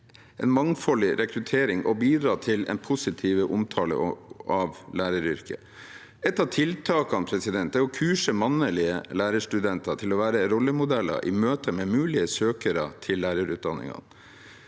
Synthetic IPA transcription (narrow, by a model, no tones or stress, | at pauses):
ɛ̰nmɑŋfɔlːɪɾʔɛkɾʉt̪ʰeːɾɪŋʔɔbiːd̪ɾɑːt̪ʰɪlɛ̰npʰʊsɪt̪ʰiːʋəʔʊmt̪ʰɑːlə̰ɑʋlæːɾəɾʏɾkə̰ | ɛt̪ːɑʋt̪ʰɪlt̪ʰɑːkɑnpʰɾɛsɪd̪ɛnt̪d̪ɛɔkʰʉːʂəmɑnːəlɪəlæːɾəʂʈʉd̪ɛnt̪ʰɑt̪ʰɪlɔʋæːɾəɾɔlːəmʊd̪ɛlːɑ̰ɾʔɪ̰møːt̪ʰəmɛmʉːlɪəsøːkəɾə̰t̪ʰɪlːæːɾəɾʉːt̪̚d̪ɑnːɪ̰ŋɑ̰n